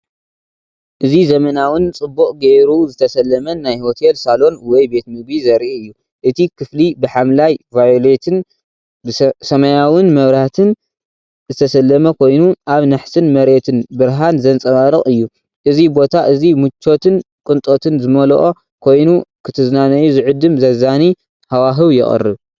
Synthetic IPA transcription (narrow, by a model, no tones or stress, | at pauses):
ʔɨzizɐmɐnawɨnt͡sʼɨbːuʔʼɡeɾuzɨt̪ʰɐsɐlːɐmɐnajho̞t̪ʰelsalo̞nwɔjbe̞t̪mɨɡizɐɾʔiɨjːu | ʔɨt̪ʰikʰɨflibɨħamlajvajole̞t̪ʰɨn | bsɐmɐjawɨnmɐβɾat̪ʰɨn | zɨt̪ʰɐsɐlːɐmɐkʰo̞jnuʔaβnaħsɨnmɐɾe̞t̪ʰɨnbɨɾɦanzɐnt͡sʼɐβaɾɨχʼɨjːu | ʔɨzibo̞t̪ʰaʔɨzimut͡ʃʰːo̞t̪ʰɨn | kʼɨnt̪ʼo̞t̪ʰɨnzɨmɐlo̰ʔo | kʰo̞jnukʰɨt̪ʰɨznanɐjuzɨʕʊd̪ːɨmzɐzani | hawaɦɨβjɪ̰χʼɨ̰rːɨ̰β